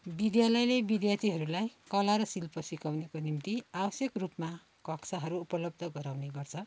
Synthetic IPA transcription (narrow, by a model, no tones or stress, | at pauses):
bid̪jalʌjlebid̪jart̪ʰiɦʌɾulajkʌlaɾʌsilpʌsikawnekonimt̪iabʌsjekrupma | kʌksʰaɦʌɾuupʌlʌb̚d̪ʱʌɡʌɾawneɡʌrt͡sʰʌ